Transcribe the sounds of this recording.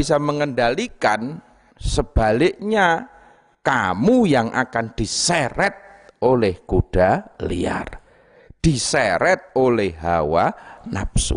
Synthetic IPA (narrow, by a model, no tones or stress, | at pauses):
isaməŋəndalikan | səb̥a̤lɪʔɲa | kamujaŋʔa̰kand̥isɛɾɛt̪̚ʔolɛhkud̥alḭa̰r | d̥isɛɾɛt̪̚olɛhɦawana̰psṵ